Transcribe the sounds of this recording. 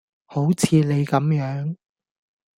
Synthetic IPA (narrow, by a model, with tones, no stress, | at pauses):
ho˨˥wt͡sʰiː˨˧le˨˧jkɐ˨˥mjœː˨˥ŋ